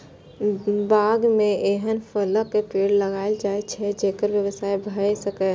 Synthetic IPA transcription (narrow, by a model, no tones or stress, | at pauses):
baɡmeeɦənpʰələkːepeɽləɡaɪld͡ʒajt͡ʃʰɛd͡ʒekəɾʋjəʋəsaibʱəjsəkɛ